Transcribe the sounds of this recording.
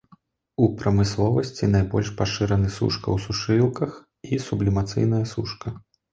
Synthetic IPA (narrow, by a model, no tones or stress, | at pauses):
upɾɐmɨslˠɔvɐsʲt͡sʲinajbɔ̰lʲʂpaʂɨɾɐnɨsṵʂkɐ̰wsuʂɨlˠkɐx | isublʲimat̪sɨ̰jn̪ɐjɐsṵʂkɐ